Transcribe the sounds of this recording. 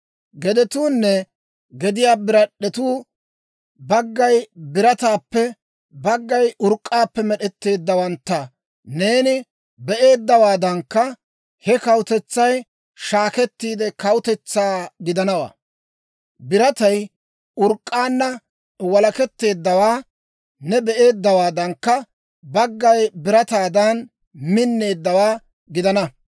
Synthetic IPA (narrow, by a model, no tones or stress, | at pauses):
ɡɛd̪ɛt̪uːnːɛ | ɡɛd̪ɪjaːbɪɾɐɗːɛt̪uː | bɐɡːɐjbɪɾɐt̪aːpːɛ | bɐɡːɐjʊɾkʼːaːpːɛmɛɗɛt̪ːe̞ːd̪ːɐwɐnt̪ːɐ | ne̞ːnɪ | bɛʔe̞ːd̪ːɐwaːd̪ɐŋkːɐ | hɛkɐwʊt̪ɛt͡sːɐj | ʃaːkɛt̪ːiːd̪ɛkɐwʊt̪ɛt͡sːaːɡɪd̪ɐnɐwa̰ː | bɪɾɐt̪ɐj | ʊɾkʼːaːnːɐ | wɐlɐkɛt̪ːe̞ːd̪ːɐwaː | nɛbɛʔe̞ːd̪ːɐwaːd̪ɐŋkːɐ | bɐɡːɐjbɪɾɐt̪aːd̪ɐn | mɪnːe̞ːd̪ːɐwaː | ɡɪd̪ɐnɐ